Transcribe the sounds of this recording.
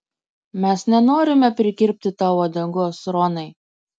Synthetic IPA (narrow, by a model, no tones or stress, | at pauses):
mʲɛsnʲɛnoːɾʲɪmʲɛpʲɾʲɪkʲɪɾʲpʲt̪ʲɪt̪ɑːʋod̪ɐŋɡoːsɾɔnɐɪ